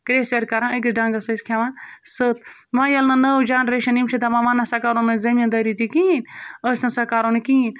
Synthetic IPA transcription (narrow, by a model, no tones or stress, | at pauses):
kɾeːseɾkɐɾãək̬isɖãŋɡɐsɐsʲkʰaʋãnsət̪ʋãjɐlnɐnɐd͡ʒaːnɾeʃɐnimt͡ʃʰit̪aʋãʋãnːasɐkaːɾonɐzɐmʲɐ̃nd̪ɐɾit̪ikiinəsʲnɐ̃sɐkaːɾonɨkiin